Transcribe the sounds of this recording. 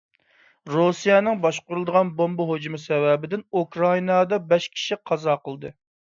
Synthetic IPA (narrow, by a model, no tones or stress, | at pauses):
ɾusijɛnɪŋbɑʃqʊɾulˠd̪əʁɑnbombɑɦod͡ʒumɨsɛvɛbɪd̪ɪnukɾɑinɑd̪ɑbɛʃkʲʰi̥ʃiqʰɑzɑːqʰəlˠd̪ɨ